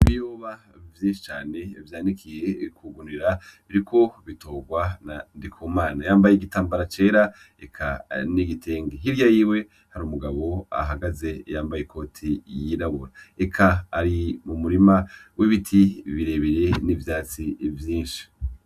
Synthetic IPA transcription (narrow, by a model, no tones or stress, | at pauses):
iβijoβa | vjiːnʃi̥t͡ʃaːne̞vjaːndikʰije̞kʰuɡuniɾaβiɾikʰo̞βito̞ːɡwanandikʰuːmaːnajaːmbajeɡitaːmbaɾat͡ʃe̞ːɾa | ekʰa̰niɡitʰeːŋɡeɦiɾjajiwe̞ | haɾuːmuɡaβo̞a̰ɦaɡaze̞jaːmbajekʰo̞tʰijinaβuɾaekʰaːɾimumuɾimawiβitʰiβiɾe̞βiɾe̞nivjaːt͡sivjiːnʃi̥